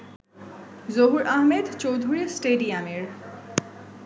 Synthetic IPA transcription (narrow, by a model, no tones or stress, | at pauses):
zoɦuɾʔaɦmed̪t͡ɕowd̪ʱuɾisʈeɖiameɾ